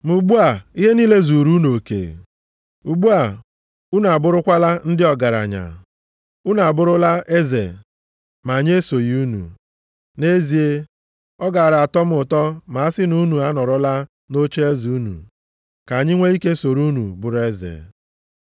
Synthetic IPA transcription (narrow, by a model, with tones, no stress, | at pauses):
mu˨ɡ͡bu˦a˨i˦ɦe˦niː˦le˦zu˨ɾu˦no˨kḛ˨ | u˨ɡ͡bu˦a˨ | u˦n˨a˨bʊ˦ɾʊ˦kʷa˦la˦n̩˦dɪ˦ɔ˨ɡa˨ɾa̰˨ɲa̰˨ | u˦na˨a˨bʊ˦ɾʊ˦la˦ʔe˦ze˨ | ma˨ɲ˦e˦so˨ji˦u˦nṵ˨ | ne˦zi˨e˦ | ɔ˦ɡa˨ɾa˨a˨tɔ˦m̩˦ʊ˨tɔ˦ma˨a˦sɪ˦nu˦nu˨a˦nɔ˨ɾʊ˦la˦ | no˦t͡ʃe˦e˦zi˨u˦nṵ˨ | ka˨ɲɪ˦ŋʷe˦i˦ke˦so˨ɾu˦nṵ˨bʊ˨ɾʊ˦e˦zḛ˨